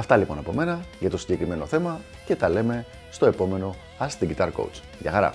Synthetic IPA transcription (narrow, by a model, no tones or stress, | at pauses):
ɐft̪ɐlipo̞nɐpo̞me̞nɐʝɐt̪o̞siɲɟe̞kɾime̞no̞θe̞mɐ | ce̞t̪ɐle̞me̞ | st̪o̞epo̞me̞no̞ | ɐst̪iɟit̪ɐɾko̰wt͡s | ʝɐ̰xɐɾɐ̰